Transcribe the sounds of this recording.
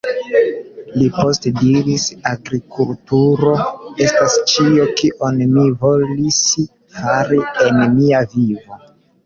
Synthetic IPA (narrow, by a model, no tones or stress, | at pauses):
lipo̞stediɾisaɡɾikultuɾo̞e̞stast͡ʃio̞kiʔo̞nmivo̞lis | faɾienmiavivo